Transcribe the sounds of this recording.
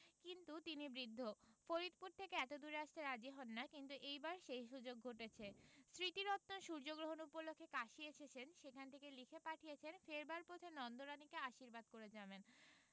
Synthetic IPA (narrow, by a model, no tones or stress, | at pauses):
kint̪ut̪inibɾid̪ʱːofoɾit̪puɾt̪ʰekeɛt̪od̪uɾeaʃt̪eɾad͡ʑiɦɔnːakint̪uʔejbaɾʃejʃud͡ʑoɡ̚ʱoʈet͡ɕʰesɾit̪iɾɔt̪ːoʃuɾd͡ʑoɡɾoɦonupolokʰːekaʃiet͡ɕʰet͡ɕʰenʃekʰanet̪ʰekelikʰepaʈʰijet͡ɕʰenfeɾbaɾpot̪ʰenɔnd̪oɾanikeaʃiɾbad̪̚koɾed͡ʑaben